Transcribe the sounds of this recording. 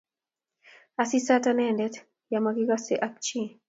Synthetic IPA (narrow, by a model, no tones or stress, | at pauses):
asisatanɛndɛt | jamakiɡaseʔak̚t͡ʃi